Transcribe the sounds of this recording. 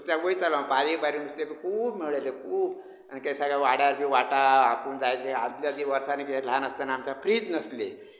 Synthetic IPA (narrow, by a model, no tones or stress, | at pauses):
t̪jaʋoit͡salapaɾibaɾinust̪ebikʰuːbmiɭəlekʰuːb | anikajsaɡjaʋaɽjaɾbiːʋaʈaapuɳd͡zaekea̰d̪ljad̪iʋəɾsanekiel̤anəst̪anamt͡ɕapʰɾiːd͡znəsle